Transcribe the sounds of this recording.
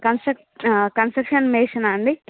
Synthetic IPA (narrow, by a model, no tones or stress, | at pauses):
kɐnsɐk | kɐnsʈɐkʂɐnmeːʂɐnɐɳɖi